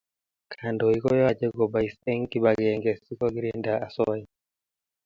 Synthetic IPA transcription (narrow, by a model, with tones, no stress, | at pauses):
kʰa˨ndɔ˨i˦kɔ˦jɔ˦a˦d͡ʒɛ˦ɡɔ˨ba˨i˨sɛ˦ŋki˦ba˨ɡɛŋɡɛ˨si˦kɔ˦ɡi˦ɾɛndaa˨sɔ˦i˦